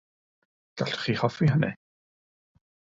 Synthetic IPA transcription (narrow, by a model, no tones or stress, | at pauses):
ɡ̥aɬtʰχiːhɔfiɦənɛ̰